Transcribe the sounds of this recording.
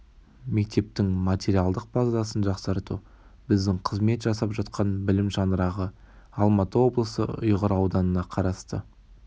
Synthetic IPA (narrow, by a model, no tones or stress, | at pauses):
me̞k̚t̪e̞p̚t̪ɪŋmat̪ʲeɾiɑlˠd̪əq̚bɑzd̪ɑsənʒɑqsɑɾt̪ṵ | bɪzd̪ɪŋqʰəzme̞t̪ʒɑsɑpʒɑt̪qʰɑnbɪlɪmʒɑnəɾɑʁə | ɑlˠmɑt̪əwo̞blˠəsə̰ʊ̰jʁəɾɑwd̪ɑnənɑqʰɑɾɑst̪ə